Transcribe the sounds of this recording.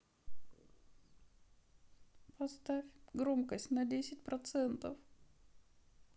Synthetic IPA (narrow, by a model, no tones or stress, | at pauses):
pɐst̪afʲɡɾo̞mkəsʲtʲnədʲesʲɪtʲpɾɐt̪sɛnt̪əf